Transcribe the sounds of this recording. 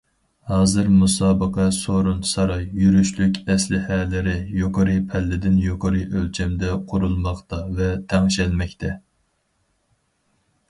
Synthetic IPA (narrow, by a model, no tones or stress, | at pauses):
hɑːzɨɾmusɑːbəqʰɛsoɾunsɑɾɑjːyɾyʃlykʲʰɛslɪhɛlɪɾɪjoqʰəɾɨpʰɛlːɪd̪ɪnjoqʰəɾɨʔølt͡ʃʰɛmd̪ɛqʰʊɾulˠmɑχt̪ɑvɛt̪ʰɛŋʃɛlmɛkʲt̪ʰɛ